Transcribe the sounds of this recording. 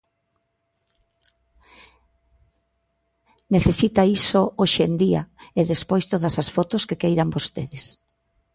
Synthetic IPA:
neθesit̪aisooʃend̪ia̰eðespojst̪oðɐsasfot̪oskekejɾambost̪eðes

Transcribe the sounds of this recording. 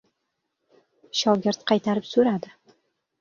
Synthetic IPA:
ʃɒwɡʲɪɾt̪qʰɑjt̪ʰaɾɪpsɵɾad̪ɪ

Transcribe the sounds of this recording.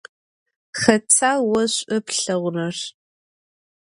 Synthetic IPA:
xɐt͡sʰaːwɐɕʷʼɐpɬɐʁʷʊnɐr

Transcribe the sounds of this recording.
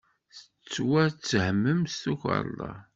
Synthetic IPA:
θət͡sːwæt͡sːhəmːəmst̪uçə̰ɾˤlˤɑ̰

